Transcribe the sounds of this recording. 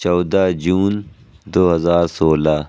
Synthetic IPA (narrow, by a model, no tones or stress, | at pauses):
t͡ʃɔːd̪ad͡ʒuːn | d̪oːɦɐzaːɾsoːla